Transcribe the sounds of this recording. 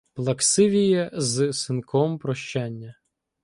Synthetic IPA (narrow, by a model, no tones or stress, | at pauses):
plˠɐksɪʋʲijɛzsɪnkʰɔmpɾɔʃt͡ʃanʲːɐ